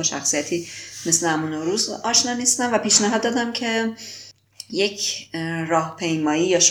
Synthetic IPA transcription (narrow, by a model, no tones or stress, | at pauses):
ʃæ̰xsijæt̪ʰiːme̞slehæmuːnoɾuːzɒːʃnɒmiːst̪æmvæpiːʃnæɦɒd̪ːɒːd̪æmcʰe̞ | je̞cʰɾɒːhpʰe̞jmɒːiːjɒːʃ